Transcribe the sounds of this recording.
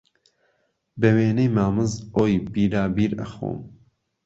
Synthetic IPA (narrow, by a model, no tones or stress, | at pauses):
bɛweːnejmaːmɨzoːjbiːɾaːbiːɾɐ̰xo̰ːm